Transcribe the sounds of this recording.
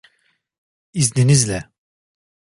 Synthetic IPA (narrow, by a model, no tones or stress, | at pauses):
izninizlɛ